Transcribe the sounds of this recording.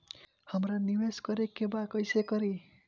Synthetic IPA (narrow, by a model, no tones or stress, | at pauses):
hʌmraniweskʌɾekebakʌjsekʌɾi